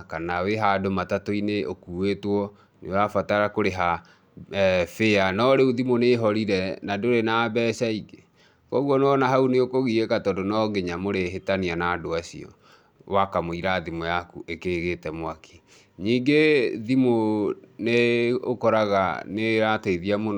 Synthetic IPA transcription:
kanaweɦadomatatoineʔokuwetwɔ | newafataɾakoɾeɦa | feanɔɾeuðimoneɦɔɾiɾɛnadoɾenabɛːʃaiɡe | kɔuɣɔnɔnaɦauneokoɣiekatɔdonɔɡeɲamoɾeɦetanianaːdoasḭɔ̰ | wakamoiɾaðimojakuʔekeɣetɛmwaki̥ | ɲiːŋɡeðimoneokɔɾaɣa̰neɾateiðiamon

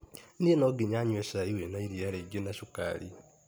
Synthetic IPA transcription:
nienɔɡiɲaɲwesaiwenaiɾiaɾeɡenasuka̰ːɾḭ

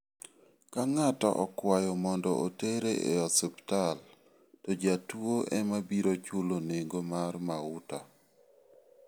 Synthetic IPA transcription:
kaŋatɔ̰ʔɔkwajɔmɔndɔʔoteɾeʔḛɔsɪptal | tɔd͡ʒatwoʔɛmabiɾot͡ʃuloneŋɡomarmaʊta

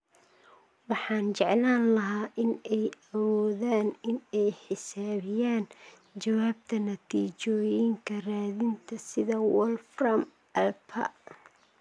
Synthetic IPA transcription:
wɑħɑːnt͡ʃɛʕlaːnlɐɦaːʔɪnɛjɐwɔːðaːnɪnɛjħɪsaːβɪjaːn | t͡ʃɐwaːb̚t̪ʰɐnɐt̪ʰiːt͡ʃɔːjɪŋkʰɐraːðɪnt̪ʰɐsɪðɐwɔlfrɐm | ʔɐlpʰɐ̰

